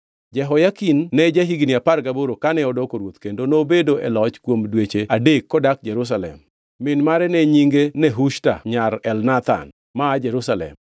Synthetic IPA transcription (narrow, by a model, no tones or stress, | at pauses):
d͡ʒɛɦɔjakinːɛd͡ʒaɦiɡniaparɡaboɾokanɛɔdɔkoɾwot̪kendonobedoɛlɔt͡ʃkwomdwet͡ʃeadekːɔdak̚d͡ʒɛɾus̬alɛ̰mː | ɪnmaɾɛnɛɲiŋɡenɛɦuʃta̰ɲaɾɛlnat̪a̰n | maːd͡ʒɛɾusalɛ̰m